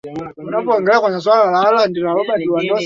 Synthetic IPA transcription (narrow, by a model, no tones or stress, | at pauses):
unapɔŋɡɛlakwaɲas̬wallalaːlandiɾawɔɓadiwandɔ